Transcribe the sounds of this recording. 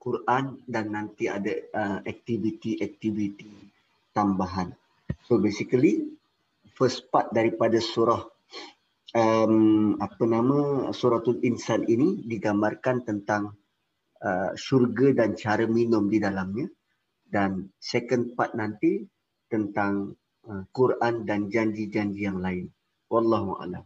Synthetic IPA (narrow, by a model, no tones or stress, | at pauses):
kuɾʔandanːãnt̪ia̰dəəɛk̚t̪ivit̪iʔɛk̚t̪ivit̪i | t̪ambaɦan | sobesikəli | fəspat̪̚daɾipadasuɾah | əmapənãmə̃suɾat̪uninsaninidiɡamarkant̪ənt̪aŋ | əʃurɡədant͡ʃaɾəminʊmdidalamɲã | dansɛkənd̚pat̪̚nant̪i | t̪ənt̪aŋ | əkurʔandand͡ʒaɲd͡ʒid͡ʒaɲd͡ʒijaŋlaɪn | wɑlːɑɦua̰la̰m